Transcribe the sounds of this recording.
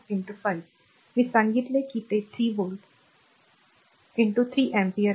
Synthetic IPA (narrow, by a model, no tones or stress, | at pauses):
ɪɳʈufajʋ | miːsãŋɡit̪lekiːt̪et̪ʰɾiːʋolʈ | ɪɳʈut̪ʰɾiːʔɛ̃mpiəɾ